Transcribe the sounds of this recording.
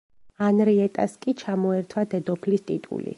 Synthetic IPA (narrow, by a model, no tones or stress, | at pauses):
anɾiɛt̪ʼaskʼit͡ʃʰamɔɛɾt̪ʰwad̪ɛd̪ɔpʰlist̪ʼit̪ʼṵlḭ